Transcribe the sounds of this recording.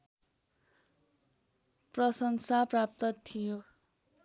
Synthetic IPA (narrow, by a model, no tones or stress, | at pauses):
prʌsʌŋsaprap̚t̪ʌt̪ʰijo